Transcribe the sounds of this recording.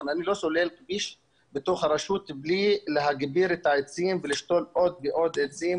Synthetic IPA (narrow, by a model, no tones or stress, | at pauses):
nanilo̞solelkbiʃ | bet̪o̞χhaɾaʃut̪blileɦaɡbiɾet̪aet͡simveliʃt̪o̞lo̞d̪̚beʔo̞d̪et͡sim